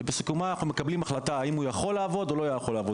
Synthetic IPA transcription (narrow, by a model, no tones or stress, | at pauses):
besi̥kumanaχnume̞kablimaχlat̪aaimujaχo̞lːaːvo̞d̪o̞lo̞jaχo̞laːvo